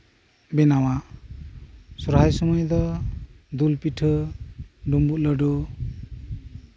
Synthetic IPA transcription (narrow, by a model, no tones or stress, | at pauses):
benawaʔ | suɾɦajsɔmɔjd̪ɔ | d̪ulpiʈʰɯ | ɖumbulʌɖu